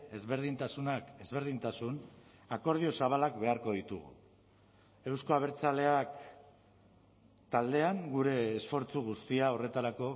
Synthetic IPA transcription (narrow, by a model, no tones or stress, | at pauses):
e̞zβe̞ɾðint̪asunake̞zβe̞ɾð̞int̪asun | ako̞ɾðio̞saβ̞alakbe̞aɾko̞ðit̪uɣ̞ṵ | e̞wsko̞aβ̞e̞ɾt͡sale̞ak | t̪ald̪e̞aŋɡuɾe̞ːsfo̞ɾt͡suɣ̞ust̪iao̞re̞t̪aɾako̞